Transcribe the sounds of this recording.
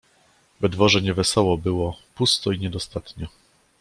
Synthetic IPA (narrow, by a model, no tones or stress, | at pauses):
vɛd̪vɔʐɛɲɛvɛsɔwɔbɘwɔpust̪ɔiɲɛd̪ɔst̪at̪ɲɔ